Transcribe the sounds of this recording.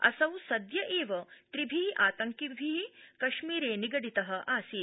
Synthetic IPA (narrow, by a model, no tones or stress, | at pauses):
ɐ̰sɐwsɐd̪jɐʔeːʋɐt̪ɾibʱiːʔaːt̪ɐŋkibʱikɐʃmiːɾeːniɡɐɽit̪ɐɦɐ̆ʔaːsiː